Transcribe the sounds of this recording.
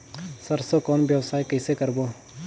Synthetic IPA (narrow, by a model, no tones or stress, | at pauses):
səɾsokɔːnʋjəʋsaːikəɪsekəɾboː